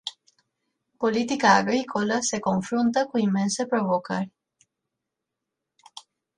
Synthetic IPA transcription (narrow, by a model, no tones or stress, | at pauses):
polit̪ikaːɡɾikʰolasekoɱfɾunt̪akuimːẽnsepɾoβokaɾ